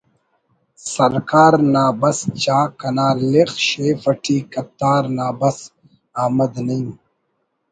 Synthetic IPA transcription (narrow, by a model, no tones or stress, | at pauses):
sɐɾkaːɾnaːbɐst͡ɕaːkɐnaːlexɕeːfɐʈʰiːkɐp̚t̪aːɾnaːbɐs | aːmɐd̪nɐjũ